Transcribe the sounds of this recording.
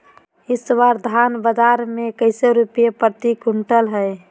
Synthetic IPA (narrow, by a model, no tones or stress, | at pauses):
ɪswaɾd̪ʱanbəd͡ʒaɾmekəɪseɾupjepət̪ikuɳʈəlɦəj